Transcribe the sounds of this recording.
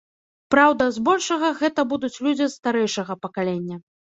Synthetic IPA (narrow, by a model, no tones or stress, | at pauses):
pɾawd̪ɐzbɔlʲʂɐɣɐɣɛt̪ɐbud̪ut͡sʲlʲud͡zʲist̪aɾɛjʂɐɣɐpɐkalʲenʲːɐ